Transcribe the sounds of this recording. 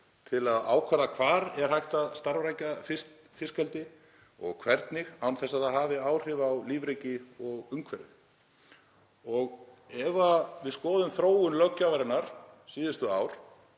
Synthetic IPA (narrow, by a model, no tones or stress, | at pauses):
t̪ʰɪlaða̰ːwkʰvaɾðakʰvaːɾɛɾ̥hajht̪aðst̪aɾvɾajcafɪs | fɪskɛlt̪ɪ | ɔ̰ɣkʰvɛɾt̪nɪɣawnθɛsːaðaðhaːvɪaːwr̥ɪvawliːvɾejcɪɔɣʏŋkʰvɛɾðɪ | ɔɣɛvavɪðskɔːðʏmθɾoːwʏnlœcːavaɾɪnaɾ̥siːðʏst̪ʏaːwɾ̥